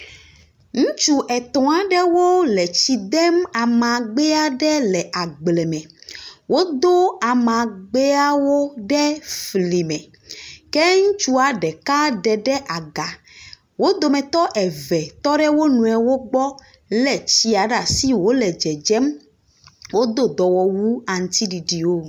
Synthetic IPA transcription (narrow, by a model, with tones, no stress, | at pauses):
ŋũ˦t͡ʃu˦ʔɛ˨t̪ɔ̃˨a˨ɖɛ˦wo˦lɛ˨t͡ɕi˨d̪ɛ˦ma˨mã˨ɡ͡bɛ˦a˦ɖɛ˦lɛ˨ʔa˨ɡ͡blɛ˨mɛ̃˨wo˦d̪o˦a˨mã˨ɡ͡bɛ˦a˦wo˦ɖɛ˦fli˨mɛ̃˨ | kɛ˦ŋũ˦t͡ʃu˦a˨ɖɛ˨ka˦ɖɛ˨ɖɛ˦ʔa˨ɡa˨ | wo˦d̪o˨mɛ̃˨t̪ɔ˦ʔɛ˨vɛ˨t̪ɔ˦ɖɛ˦wo˦nũ˨ɛ˨wo˦ɡ͡bɔ˦ | lɛ˨t͡ɕi˦a˨ɖa˨si˦wo˦lɛ˨d͡ʒɛ˨d͡ʒɛ˦m | wo˦d̪o˦d̪ɔ˨wɔ˨wu˦a˨ŋ̩˨˦t̪i˦ɖi˨ɖi˨wo˦˨